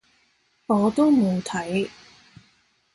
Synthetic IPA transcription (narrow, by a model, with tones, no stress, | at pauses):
ɔː˨˧t̪o˥wmo˨˧wt̪ʰɐ˨˥j